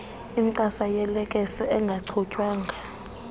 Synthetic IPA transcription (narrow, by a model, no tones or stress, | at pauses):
imǀasajɛlɛkʼɛsɛʔɛŋɡʱaǀʰɔcʼwaːŋɡʱa